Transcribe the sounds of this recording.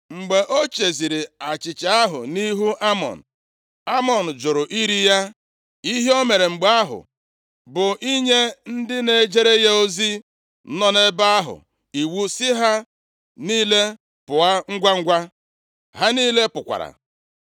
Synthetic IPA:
ŋ͡m̩˨ɡ͡be˨ʔo˦t͡ʃe˨zi˨ɾi˨a˨t͡ʃɪ˨t͡ʃa˨a˦ɦʊ̰˨ni˦ɦu˦ʔa˦mɔ̰˨n̩˨ | a˦mɔ˨n̩˨d͡ʒʊ˨ɾʊ˨ʔi˦ɾi˦ja˦ | i˦ɦe˦o˦me˨ɾe˨ŋ͡m̩˨ɡ͡ba˦ɦʊ̰˨ | bʊ˨ʔi˦ɲe˦n̩˦dɪ˦ne˨d͡ʒe˦ɾe˦je˦o˦zi˦ | nɔ˦ne˦ba˦a˦ɦʊ̰˨ | i˨wu˦sɪ˦ɦa˦ | niː˦le˦ | pʊ˨a˦ŋ̩˦ɡʷa˦ŋ̩˦ɡʷa˦ | ha˦niː˦le˦pʊ˨kʷa̰˨ɾa̰˨

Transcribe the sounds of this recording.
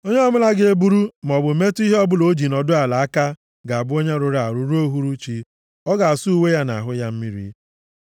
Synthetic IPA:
o˦ɲe˦ɔ˦mʊ˦la˦ɡɪ˦e˦bu˦ɾu˦m˨ɔ˨bʊ˨˦me˦tu˦i˦ɦe˦ɔ˦bʊ˦˨lo˦d͡ʒi˨nɔ˨dʊ˦a˨la˨a˦ka˦ | ɡa˨a˨bʊ˦o˦ɲe˦ɾʊ˨ɾa˨ɾʊ˦ɾo˦ɦu˦ɾu˦t͡ʃi˦ | ɔ˦ɡa˨a˨su˦u˦˨we˦ja˦na̰˨ɦʊ˦ja˦m̩˦mi˦ɾḭ˦

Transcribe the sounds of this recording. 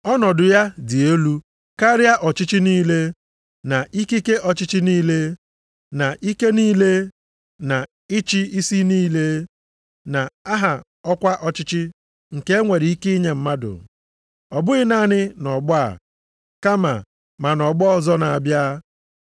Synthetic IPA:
ɔ˦nɔ˨dʊ˨ja˦dɪ˨e˦lu˦ | ka˦ɾja˦ʔɔ˨t͡ʃɪ˦t͡ʃi˦niː˦le˦ | na˨ʔi˦ki˦ke˦ʔɔ˨t͡ʃɪ˦t͡ʃɪ˦niː˦le˦ | na˨ʔi˦ke˦niː˦le˦ | na˨ | ɪ˦t͡ʃi˦i˦si˦niː˦le˦ | na˨a˦ɦa˨ | ɔ˦kʷa˦ʔɔ˦t͡ʃɪ˦t͡ʃɪ˦ | ŋ̩˨ke˦e˦ŋʷe˨ɾi˨i˦ki˦i˦ɲe˦˨m̩˦ma˦dʊ̰˨ | ɔ˨bʊ˦ɣɪ˦na˦˨nɪ˦nɔ˨ɡ͡bʊ˦a̰˨ | ka˦ma̰˨ | ma˨nɔ˨ɡ͡bɔ˦ɔ˨zɔ˦na˨a˨bja˦

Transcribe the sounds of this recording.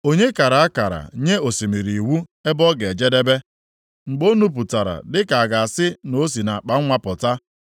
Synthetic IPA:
o˦ɲe˦ka˨ɾa˨a˦ka˨ɾa̰˨ɲe˦o˨si˨mi˨ɾi˨wu˦e˦bɔ˦ɡe˨d͡ʒe˦de˦be˦ | ŋ͡m̩˨ɡ͡bo˦nu˦p̬u˨ta˨ɾa̰˨dɪ˦ka˨a˨ɡa˨a˨sɪ˦no˨˦s̬i˨na˨k͡pa˦ŋ̩˦ŋʷa˦pʊ˨ta˦

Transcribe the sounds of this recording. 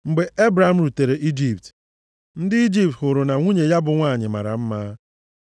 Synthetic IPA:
ŋ͡m̩˨ɡ͡be˨ʔe˦bɾa˨m̩˦ɾu˨te˨ɾe˨ʔi˦d͡ʒi˨pt | n̩˦dɪ˦i˦d͡ʒi˨p̚thʊ˨ɾʊ˨na˨ŋʷu˦ɲe˨ja˦bʊ˨ŋʷa˦˨ɲɪ˨ma̰˨ɾa̰˨m̩˦maː˦

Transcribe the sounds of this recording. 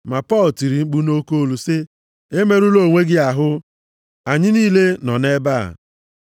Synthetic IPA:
ma˨pɔ˦l̩˨ti˨ɾi˨ŋ͡m̩˦k͡pu˦no˦ko˦o˦˨lu˨se˦ | e˦me˦ɾu˦lo˨ŋʷe˦ɡɪ˦a˨ɦʊ˦ | a˨ɲɪ˦niː˦le˦nɔ˨ne˦ba̰˦˨

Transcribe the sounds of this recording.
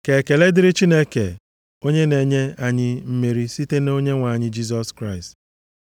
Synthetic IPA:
ke˨ke˨le˦dɪ˦ɾɪ˦t͡ʃi˦ne˦kḛ˨ | o˦ɲe˦ne˨ɲe˦a˦ɲɪ˦m̩˦me˨ɾi˦si˦te˦no˦ɲe˦ŋʷa˨ɲɪ˦d͡ʒi˦s̬ɔ˦skɾa˦˨ɪ˨st

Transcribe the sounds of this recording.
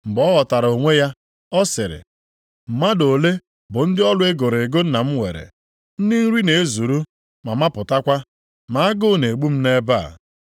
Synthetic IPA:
m̩˨bɔ˦ɣɔ˨ta˨ɾo˨ŋʷe˦ja˦ | ɔ˦sɪ˨ɾɪ̰˨ | m̩˨ma˦do˨le˦ | bʊ˨n̩˦dɪ˦ɔ˦lʊ˦e˦ɡo˨ɾe˨ɡo˦n̩˦na˨m̩˦ŋʷḛ˨ɾḛ˨ | n̩˦dɪ˦n̩˦ɾi˦ne˨e˦zu˨ɾu˦ | ma˨ma˦pʊ˨ta˦kʷa˦ | ma˨˦a˦ɡʊ˦˨ne˨ɡ͡bu˦m̩˦ne˦ba̰˦˨

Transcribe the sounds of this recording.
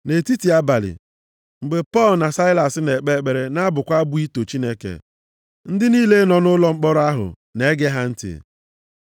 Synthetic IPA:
ne˨ti˦ti˨a˦ba˨lɪ̰˨ | ŋ͡m̩˨ɡ͡be˨pɔ˦˨lna˨sa˦ɪ˦la˨sne˨k͡pe˦˨k͡pe˨ɾe˦na˦bʊ˨kʷa˦bu˦i˦to˨t͡ʃi˦ne˦kḛ˨ | n̩˦dɪ˦niː˦le˦nɔ˨nʊ˦lɔ˦ŋ͡m̩˦k͡pɔ˦ɾʊ˦a˦ɦʊ̰˨ | ne˦ɡe˦ɦa˦n̩˦tɪ̰˨

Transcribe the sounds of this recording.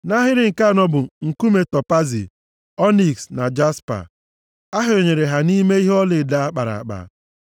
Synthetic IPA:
na˦ɦɪ˦ɾɪ˦ŋ̩˨ka˦˨nɔ˦bʊ˨ŋ̩˨ku˦me˨tɔ˨pa˦zḭ˨ | ɔ˦ni˨ksna˨d͡ʒa˦spa̰˨ | a˦ɦʊ˦˨ɾe˨ɲe˨ɾe˨ɦa˨ni˦me˦i˦ɦe˦ɔ˦lɪ˨da˨a˦k͡pa˨ɾa̰˨a̰˨k͡pa̰˨

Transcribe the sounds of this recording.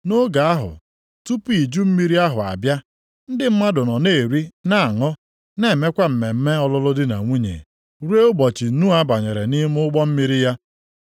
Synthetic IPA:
no˦ɡa˨a˦ɦʊ̰˨ | tu˦pi˨d͡ʒu˦m̩˦mi˦ɾi˦a˦ɦʊ̰˨a̰˨bja˦ | n̩˦dɪ˦m̩˦ma˦dʊ˨nɔ˨ne˦˨e˨ɾi˦na˦˨a˨ŋɔ˦ | ne˨me˦kʷa˦m̩˨me˨m̩˦me˦ɔ˦lʊ˦lʊ˦dɪ˦na̰˨ŋʷu˦ɲḛ˨ | ɾe˦ʊ˦bɔ˨t͡ʃi˨n̩˦nu˦a˦ba˨ɲe˨ɾe˨ni˦m˦ʊ˦ɡ͡bɔ˦m̩˦mi˦ɾi˦ja˦

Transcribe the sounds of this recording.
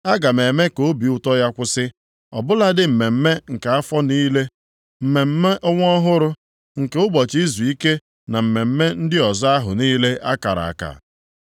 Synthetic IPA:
a˦ɡa˨me˨me˦ko˦bi˨ʊ˦tɔ˦ja˦kʷʊ˦sɪ˦ | ɔ̰˨bʊ˦la˦dɪ˦m̩˨me˨m̩˦me˦ŋ̩˨ka˨a˦fɔ˦niː˦le˦ | m̩˨me˨m̩˦me˦ʔɔ˦ŋʷ˦ɔ˦ɦʊ˦ɾʊ˦ | ŋ̩˨ke˨ʊ˦bɔ˨t͡ʃi˦zu˨i˦ke˦ | na˨m̩˨me˨m̩˦me˦n̩˦dɪ˦ɔ˨za˦ɦʊ̰˨niː˦le˦ʔa˦ka̰˨ɾa̰˨a̰˨ka̰˨

